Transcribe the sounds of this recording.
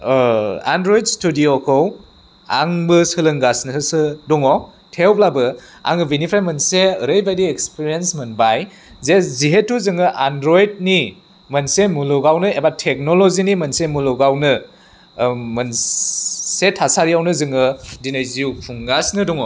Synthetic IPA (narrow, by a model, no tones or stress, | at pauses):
a̰ndɾojdstudiokʰow | a̰ŋbɯsɯlɯŋɡasnɯsɯdɔŋo | tʰewplabɯ | a̰ŋɯbinipʰɾajmɐnseəɾəjbajdiekspiɾiensmɐnbaj | zeziɦetːuzɯŋɯʔandɾojd̚ni | mɐnsemuloɡawnɯebatʰek̚nolozinimɐnsemuloɡawnɯ | mɐn | setʰasaɾijawnɯzɯŋɯdinajziupʰuŋɡasnɯdɔŋɔ